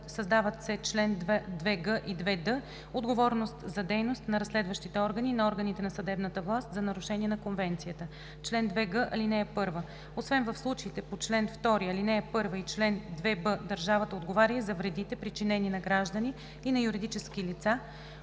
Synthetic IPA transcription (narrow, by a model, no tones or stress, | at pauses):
sɐzd̪avət̪sɛt͡ʃlɛnd̪vɛd̪vɛɡəʔid̪vɛd̪ə | od̪ɡovɔɾnost̪zɐd̪ɛjnost̪nɐɾɐslɛd̪vəʃt̪it̪ɛɔɾɡəninɐɔɾɡənit̪ɛnɐsɐd̪ɛbnət̪əvlˠast̪zɐnɐɾuʃɛniɛnɐkonvɛnt̪sijət̪ə | t͡ʃlɛnd̪vɛɡəʔɐ̰linɛɛpɤɾvə | osvɛnvɐfslˠut͡ʃəit̪ɛpot͡ʃlɛnft̪ɔɾiɐlinɛɛpɤɾvəit͡ʃlɛnd̪vɛbɤd̪ɐɾʒavət̪əod̪ɡovaɾʲəzɐvɾɛd̪it̪ɛpɾit͡ʃinɛninɐɡɾaʒd̪əniː | nɐjuɾid̪it͡ʃɛskilit̪sa